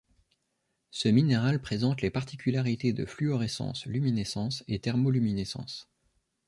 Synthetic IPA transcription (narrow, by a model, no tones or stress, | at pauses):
səmineʁalpχezɑ̃t̪lepaʁt̪i̥kʲylaʁit̪ed̪əflyɔʁesɑ̰̃slyminesɑ̃set̪ɛʁmolyminesɑ̰̃s